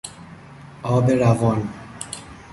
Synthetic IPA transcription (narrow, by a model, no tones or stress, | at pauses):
ɔbeɾavɔn